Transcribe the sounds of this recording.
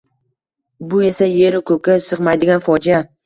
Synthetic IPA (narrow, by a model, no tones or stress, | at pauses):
bʊe̞saje̞ɾɪkʰɵkʲasɨqmajd̪ɪɡʲanfɒd͡ʒija